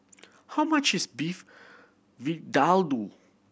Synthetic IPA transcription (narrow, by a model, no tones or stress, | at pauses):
hawmat͡ʃɪzbif | vidalˠdu